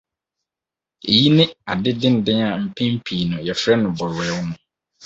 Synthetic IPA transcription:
ḛ˨ji˦nɪ̃˦a˨dɪ˦dɪ̃˦n̩˨dɪ̃˦a˨m̩˨pʰɪ̃˦m̩˦pʰiː˨nʊ̃˨jɛ˨fɾɛ˦nʊ̃˨bɔ˨ɾɛ˨˦wʊ˦nʊ̃˦

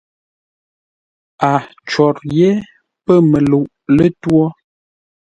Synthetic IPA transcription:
a˨ | t͡ʃɔ˨ɾje˦ | pə˦˨mə˨lu˨ʔlə˦twɔ˦

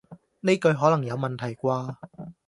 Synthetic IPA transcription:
ne˥jkɵ˧ɥɦɔː˨˥lɐ˨˩ŋjɐ˨˧wmɐ˨nt̪ʰɐ˨˩jkʷwaː˧

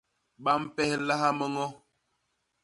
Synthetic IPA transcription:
ɓa˦m̩˦pɛ˦hla˦ɦa˦mə˦ŋɔ˦

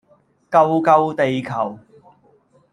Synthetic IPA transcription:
kɐ˧wkɐ˧wt̪e˨jkʰɐ˨˩w

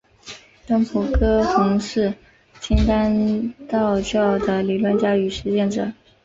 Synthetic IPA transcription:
t̪ə˥ŋpʰu˨˩kʰɤ˥xʊ˧˥ŋʂɻ̩˥˩ | t͡ɕʰi˥nt̪a˥nt̪ɑ˥˧ʊt͡ɕjɑ˥˩ʊd̪ə˩li˨˩lwə˥nt͡ɕja˥y˨˩ʂɻ̩˧˥t͡ɕjɛ˥˩nʈ͡ʂɤ̰˨˩˦

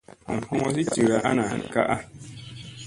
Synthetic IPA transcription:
a̰˨hɔ˦ŋɔ˦s̬i˦ti˨wa˦ʔa̰˦na˨a̰˨n˨ka̰˦ʔa˦

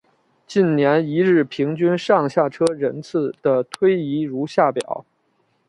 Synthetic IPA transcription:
t͡ɕi˥˩nnjɛ˧˥ni˧˥ɻɻ̩˥˩pʰi˧˥ŋt͡ɕy˥nʂɑ˥˧ŋɕja˥˩ʈ͡ʂʰɤ˥ɻə˧˥nt͡sʰɹ̩˥˩d̪̥ə˩t̪ʰwe˥ɪi˧˥ɻu˧˥ɕja˥˩pjɑ̰˨˩˦ʊ

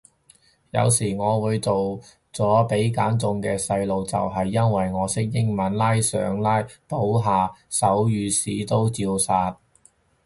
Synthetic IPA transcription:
jɐ̰˨˧wsiː˨˩ŋɔː˨˧wuː˨˧jt͡so˨w | t͡sɔː˨˥pe˨˥jkaː˨˥nt͡sʊ˧ŋkɛː˧sɐ˧jlo˨wt͡sɐ̰˨wɦɐ˨jːɐ˥nwɐ˨jŋɔː˨˧sɪ˥k̚jɪ˥ŋmɐ˨˥nlaː˥jsœ̰ː˨˥ŋlaː˥jpo˨˥wɦaː˨˧sɐ˨˥wjyː˨˧siː˨˥t̪o˥wt͡siː˧wsaː˧t̚

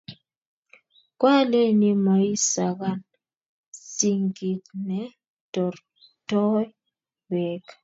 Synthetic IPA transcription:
kwa˦le˦ni˦mɔ˨˦i˦sa˨ɡa˦n | si˨ŋɡi˨tnɛ˨ | tɔ˨ɾ | tɔ˦j | wɛ˨k

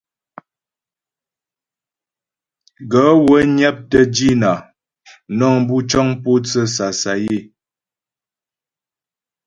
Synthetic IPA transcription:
ɡə˨˦wə˨˦ɲa˦p̚tə˦d͡ʒi˦na˨ | nɔ˦˨ŋbu˦t͡ʃɔ˦ŋpo˦t͡sə˦sa˨sa˨je˦˨

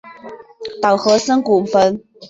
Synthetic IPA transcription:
t̪ɑ˨˩ʊxɤ˧˥sə˥ŋku˨˩fə˧˥n

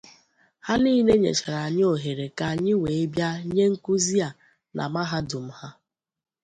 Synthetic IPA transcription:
ha˦niː˦ne˦ɲḛ˨t͡ʃa˨ɾa˨ɲɪ˦o˨ɦe˨ɾe˨ka˨ɲɪ˦we˨e˦bja˦ɲe˦ŋ̩˦ku˦zi˦a˨ | nʔa̰˨ma˦ɦa˦dʊ˨m̩˦ha˦

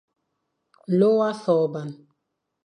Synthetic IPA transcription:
lo˦wa˦θɔ˨ba˨n

